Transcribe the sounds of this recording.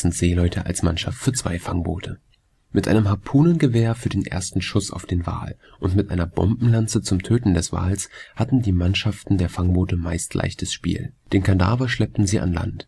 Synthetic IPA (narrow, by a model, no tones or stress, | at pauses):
n̩tz̥eːlɔʏtʰəʔa̰lsmanʃaftfyːɐt͡sv̥a̰ɪfaŋbo̰ːtʰə | mɪtʔa̰ɪnəmhapʰuːnənɡəveːɐfyːɐdeːnʔḛːɐstn̩ʃʊsa̰ʊfd̥eːnva̰ːl | ʔʊntmɪtʔaɪnɐbɔ̰mbm̩lant͡sət͡sʊmtʰøːtn̩dɛsv̥a̰ːlshatn̩diːmanʃaftn̩deːɐfaŋboːtəmaɪstʰlʔa̰ɪçtʰəsʃpḭːld̥eːnkʰanda̰ːvɐʃlɛp̚tn̩ziːʔa̰nla̰nt